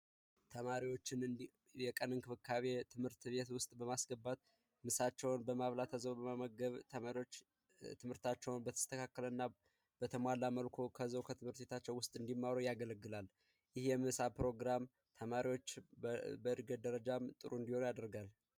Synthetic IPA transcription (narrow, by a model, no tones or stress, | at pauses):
t̪ʰəmaɾiwo̞t͡ʃːɪn | jɛkʼənɨnkʰɨfɨkʰːaβe̞t̪ʰɨmhɨɾt̪βe̞t̪wʊst̪ʼbəmasɡəbːat̪̚ | mɨsat͡ʃːɛwnbəmaβlat̪ʰəzəwbəmaməɡəβt̪ʰəmaɾiwo̞t͡ʃː | t̪ʰɨmhɨɾt̪ʰat͡ʃːɛwnbət̪ʰə̥st̪ʰəkʰakːələɨnːa | b̥ət̪ʰəmʷalːaməlkʰo̞kʰəzəwkʰət̪ʰɨmhɨɾt̪βe̞t̪ʰat͡ʃːɛwʊst̪ʼɨnd̪imːawɾojaɡələɡːɨlal | jɪhjɛmɨsapɾo̞ɡɾam | t̪ʰəmaɾiwo̞t͡ʃːbəɨɾɡəd̪əɾəd͡ʒamt̪ʼɨɾuɨnd̪iho̞njad̪əɾɡal